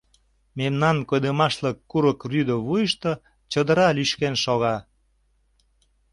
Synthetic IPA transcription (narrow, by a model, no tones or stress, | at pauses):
memnɑnkojd̪əmɑʃləkːuɾəkryd̪əβujəʃt̪ɤ | t͡ɕəd̪ə̆ɾɑlyʃkenʃoɣɑ